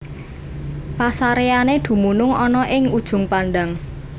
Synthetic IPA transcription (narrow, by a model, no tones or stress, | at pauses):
pasaɾeaned̪̥ṳmunʊŋɔnɔʔɪŋud̥ʒ̥ʊ̤ŋpanɖaŋ